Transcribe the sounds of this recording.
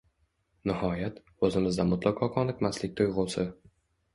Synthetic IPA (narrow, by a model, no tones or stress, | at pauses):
nɪhɒjat̪ | ozɪmɪzd̪amʊt̪lʔaqʰɒqʰɒnɪqmaslɪk̚ʲt̪ʰojʁʊwsɪ